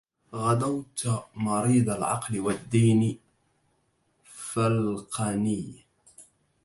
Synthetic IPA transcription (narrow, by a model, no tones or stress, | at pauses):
ɣad̪awt̪mɑɾiːd̪ˤalʕɑ̰qlɪwad̪ːiːn | falqanɪj